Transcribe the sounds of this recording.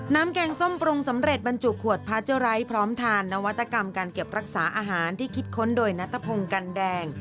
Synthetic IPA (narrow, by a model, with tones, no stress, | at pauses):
naː˦˥mkɛː˧ŋso˥˩mpɾu˧ŋsa˩˦mɾe˨˩t̪̚ba˧nt͡ɕu˨˩kʰːu˨˩ət̪̚pʰa˦˥t̪̚t͡ɕa˦˥ɾa˦˥jpʰɾɔː˦˥mt̪ʰaː˧nːa˦˥wa˦˥t̪ʰːa˧ka˧mkaː˧nke˨˩p̚ɾa˦˥k̚saː˩˦ʔaː˧ɦaː˩˦nt̪ʰiː˥˩kʰi˦˥t̪̚kʰo˦˥ndoː˧jna˦˥t̪ʰːa˧pʰo˧ŋka˧ndɛː˧ŋ